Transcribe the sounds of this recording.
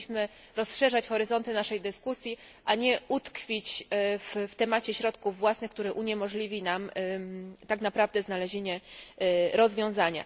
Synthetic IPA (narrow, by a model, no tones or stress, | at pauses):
ɕmɘ | ɾɔsʂɛʐat͡ɕxɔɾɘzɔnt̪ɘnaʂɛjd̪ɘskusʲjiʔaɲɛut̪kfʲit͡ɕfft̪ɛmat͡ɕɛɕɾɔt̪kuvːwasnɘxk̚t̪uɾɘʔuɲɛmɔʐlʲivʲinam | t̪aknapɾavd̪ɛznalɛʑeɲɛ | ɾɔzvʲjɔ̃w̃zaɲa̰